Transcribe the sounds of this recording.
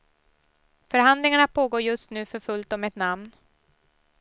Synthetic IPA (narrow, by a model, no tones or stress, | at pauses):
fœɾɦand̪lɪŋaɳapʰoːɡoːɾjɵst̪nʉ̟ːfœɾfɵlt̪ɔmɛt̪namn